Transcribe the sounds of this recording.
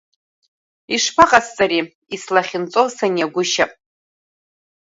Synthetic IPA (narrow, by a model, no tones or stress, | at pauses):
iʂpʰaqʼast͡sʼaɾi | islaχʲɪnt͡sʼowsaniaɡʷʊʃa